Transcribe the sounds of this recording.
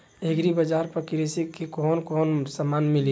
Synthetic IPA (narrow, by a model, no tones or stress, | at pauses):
eɡɾibəd͡ʒaːɾpəɾkiɾisikːekɔːnkɔːnsamaːnmili